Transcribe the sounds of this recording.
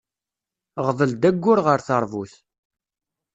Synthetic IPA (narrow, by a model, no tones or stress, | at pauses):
ʁðˤəld̪æɡʷːʊɾʁəɾθəɾˤvuθ